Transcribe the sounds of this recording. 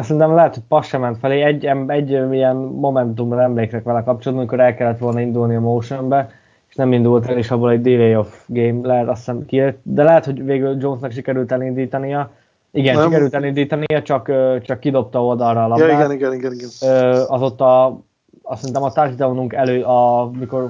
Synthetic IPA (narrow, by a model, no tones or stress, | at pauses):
sːɛɾint̪ɛmlɛɦɛt̪ho̞c̚pɒsʃɛmɛnt̪fɛleːɛɟːɛmɛɟːijɛnːo̞mɛnt̪umbɒnɛmleːkrɛkʋɛlɛkɒp̚t͡ʃolːd̪niɒmiko̞ɾɛlkɛlːɛt̪ʋo̞lnɒind̪ulniɒmowʃombɛ | eʃnɛmind̪ult̪ɛleʃɒbolɛɟd̪ivejofɡeːmlɛɦɛt̪ɒsɛnkilet̪d̪ɛlɛɦɛt̪ho̞ɟveːɡyld͡ʒo̞nsnɒkʃ̬ikɛɾylt̪ɛlind̪iːt̪ɒnijɛ | iɡɛnʃkɛɾylt̪ɛlind̪iːt̪ɒnijɛt͡ʃɒkøːt͡ʃɒkːid̪o̞p̚t̪ɒːold̪ɒlrɒːlɒiɡɛniɡɛniɡɛniɡɛnøːɒzo̞t̪ːɒ | sɛɾint̪ɛmɒt̪aːrʃid̪ɒlonuŋkɛløːʔɒmiko̞r